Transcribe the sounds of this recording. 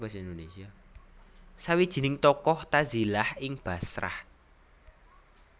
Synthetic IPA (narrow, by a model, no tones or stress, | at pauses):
ɡasind̪onesia | sawid̥ʒ̥i̤nɪŋt̪ɔkɔht̪azilahɪŋb̥a̤sɾa̰h